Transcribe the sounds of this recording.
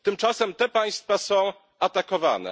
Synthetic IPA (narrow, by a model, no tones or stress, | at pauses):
t̪ɘmt͡ʂasɛmt̪ɛpaj̃st̪fasɔ̃w̃ | at̪akɔva̰nɛ̰